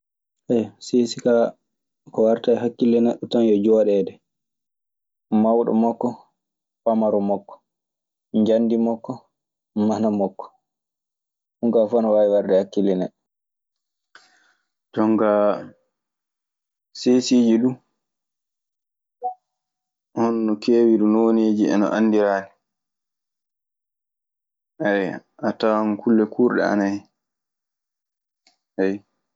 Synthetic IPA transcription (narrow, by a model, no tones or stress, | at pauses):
ʔɛjsesika | kɔwaɾtajɦakːilːɛnɛɗːutanjɔd͡ʒɔɗɛdɛ | mawɗɔ̰mɔkːɔ | pamaɾɔmɔkːɔ̥ | ɲd͡ʒandimɔkːɔ | manamɔkːɔ̥ | huŋkafanɔwaiwaɾdɛhakːilːɛnɛɗːɔ | dɔŋɡa | sesiːd͡ʒiɗu | hɔnːɔkʰeːwiɾunoːneːd͡ʒiɛ̰nɔ̰ʔanːdiɾaːnɛ | ɛj | atankʰulːɛkʰuːɾɗɛ̰a̰naji | hɛj